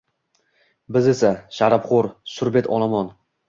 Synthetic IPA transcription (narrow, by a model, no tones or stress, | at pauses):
bɪze̞saʃaɾapχoɾsʊɾbet̪ʰɒlˠamɒn